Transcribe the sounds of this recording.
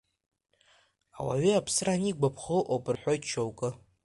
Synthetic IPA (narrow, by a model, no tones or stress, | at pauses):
awa̰ɥiapʰsɨraniɡʷapʰχɨʔopʼɨrħʷᶣojtt͡ʃʰowkʼɨ